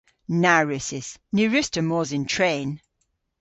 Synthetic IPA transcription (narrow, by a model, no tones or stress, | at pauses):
naɹʉsɪsnʉɹʉstəmɔːzɪ̃ntʰɹ̥ẽːn